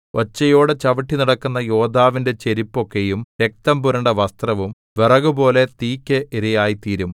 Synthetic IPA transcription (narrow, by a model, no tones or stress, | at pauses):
o̞t͡ɕːɐjo̞ːɽet͡ɕɐʋɐʈːiniɽɐkːunːɐjo̞ːd̪ʱaːʋinde̞t͡ɕe̞ɾipːo̞kːe̞jumɾe̞k̚t̪ɐmbuɾɐɳɖɐʋɐst̪rɐʋum | ʋerɐɣubo̞ːle̞t̪iːkʲːeʔiɾɐjaːjit̪iːɾum